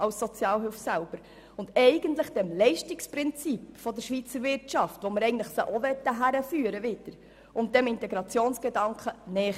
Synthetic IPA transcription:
ɑlsːɔt͡sjɑːlɦʏlfsælb̥əɾ | ʊndɛɪɡəntləχd̥ɛmlɛɪʃtɪksprɪnt͡sipfɔd̪əʃʋiːt͡səɾvɪrtt͡ʃɑftʋoməɾɛɪɡən̩tləχsəʔɔvɛt̪ːəɦæɾəfyːəɾəvɪdəɾ | ʊnt̚d̥ɛmɪntɛɡɾɑt͡sjoːnsɡ̥edɑŋkχənɛː

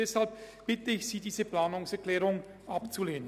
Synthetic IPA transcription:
ɛshalp̚b̥ɪtəɪçz̥iːdiːzəpl̥aːnʊŋsɛɐklɛːʁʊŋ | ʔapt͡suleːnə

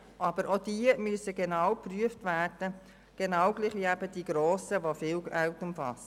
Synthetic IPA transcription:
ʔɑbəɾʔod̥iəmyəsəɡenɑwpryəftvæːrd̥ə | ɡ̥enɑʊɡ̥liːχʋiæbəd̥iːɡ̥ɾoːsəʋofiːlaʊtʊmfɑ̰st

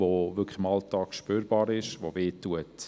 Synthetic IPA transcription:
oʋʏkχə̥ɪmɑltɑːkʃpyːɾbɑːɾɪʃʋoveːtuət

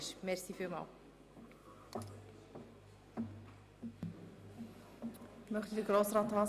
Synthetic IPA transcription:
ʃmɛɾsifimɑ̰ːl | mœχt̪idəɡɾoːsɾɑːt̪hɑː

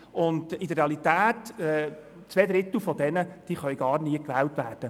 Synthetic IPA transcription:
ʊndid̪əɾreɑlitæːtɛ | t͡sʋɛːd̪ɾɪt̪l̩fɔd̥̪ɛnəd̥iːχœjɡɑːɾniəkʋæːltʋæːrd̥ə

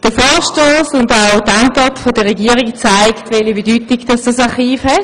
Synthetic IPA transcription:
d̥əfɔːʃtoːsʊndaʊdaŋkɑtfod̥əʁɛɡiːəʁikt͡saɪktvɛlibedyːtiɡd̥ɑsd̥ɑsɑχiːfhɛt

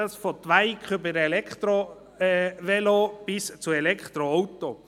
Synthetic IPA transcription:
lsfɔt̪ʋaɪkχʏbəɾɛlɛkχt̪ɾo | ʋɛlob̥ɪst͡suɛlɛkχt̪ɾoɔwt̪o

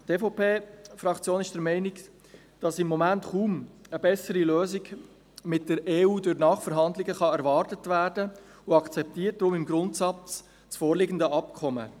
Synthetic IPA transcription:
teːfoʊpʰeːfɾɑkt͡sjoːnɪʃd̥əɾmɛɪnɪɡ | d̥ɑsɪmːɔmæntχuːməbɛsəɾiløːziɡ | mɪt̚d̥əɾeːuːdʊɾnɑːχfəɾɦɑndlɪɡəχɑɛɾvɑːɾtətvæːɾdə | ʊɑkt͡sɛp̚tiːət̚d̥ɾʊmɪmɡɾʊntsɑt͡s | t͡sfoːɾlɪɡən̩dəʔɑpkʰɔmə̰

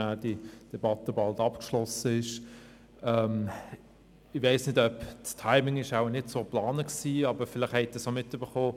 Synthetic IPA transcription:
æːd̥id̥ɛbɑt̪ːəbɑltɑpkʃlɔsəɪʃ | ɛm | ɪvaɪsnɪdœpstʰaɪmɪŋɪʃaʊnɪtsoːplɑːnəksiːɑbəɾfɪlɪχhɛɪttəsomɪtːyb̥əχoː

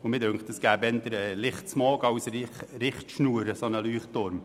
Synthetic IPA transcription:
ʊmɪdøŋktd̥əsɡ̥æːbɛndəɾɛlɪχtsmɑːɡɑwsɾɾɪχtʃnuːəɾəsonəlyːχtʊɾm

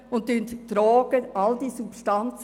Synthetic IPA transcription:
ʊn̚dynttɾɔːɡ̥əald̪iːsupstant͡s

